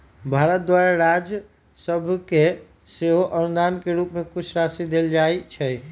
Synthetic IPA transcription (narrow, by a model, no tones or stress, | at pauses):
bʱaɾət̪̚d̪waɾaɾad͡ʒ | səbʱke | seɦoʔənud̪ankeɾupmekut͡ʃʰɾasid̪eld͡ʒajt͡ʃʰɛj